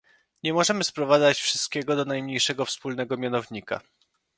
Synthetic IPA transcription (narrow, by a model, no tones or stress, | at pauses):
ɲɛmɔʐɛmɘspɾɔvad̪zat͡ɕfʂɘ̥st̪̚kʲɛɡɔd̪ɔnajmɲejʂɛɡɔfspulnɛɡɔmʲjanɔvɲika̰